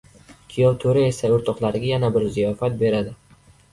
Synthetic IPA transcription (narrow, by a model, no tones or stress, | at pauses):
kʲʰijɒlˠt̪ʰɵɾae̞saʊɾt̪ʰɒqlˠaɾɪɡʲajanabɪɾzijɒfat̪̚be̞ɾad̪ɪ